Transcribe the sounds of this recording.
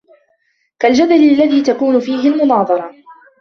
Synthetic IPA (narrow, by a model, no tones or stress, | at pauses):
kald͡ʒad̪alɪalːaðiːt̪akuːnʊfiːɦɪlmʊnɑːðˤɑɾˤɑ